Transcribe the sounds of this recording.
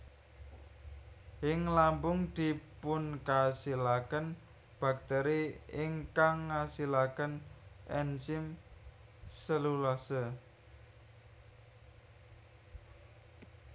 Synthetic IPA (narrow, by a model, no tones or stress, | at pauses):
ɪŋlampʊŋd̪̥i̤pʊnkasilakən | b̥a̤k̚t̪ɛɾiɪŋkaŋːasilakənʔɛnsɪm | səlulasə